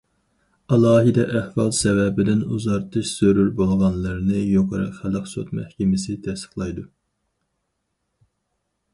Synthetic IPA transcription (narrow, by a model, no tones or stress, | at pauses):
ɑlˠɑːɦid̪ɛʔæhvɑlˠsɛvɛbɪd̪ɪnuzɑɾt̪ʰɨʃsøɾyɾbolˠʁɑnlˠɨɾnɨjoqʰəɾɑ̰qχælˠəqso̰t̪mɛ̰hkʲɛmɪsɪt̪ʰɛsə̥χlˠɑjd̪u